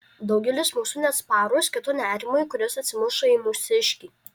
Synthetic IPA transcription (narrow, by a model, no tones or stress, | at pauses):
d̪ɒʊɡʲɛlʲɪsmʊʃʊnʲespɑːɾʊsʲkʲɪt̪ʊnʲæːɾʲɪmʊjkʊɾʲoːsɐt̪ʲsʲɪmʊʃɐimʊsʲɪʃʲkʲiː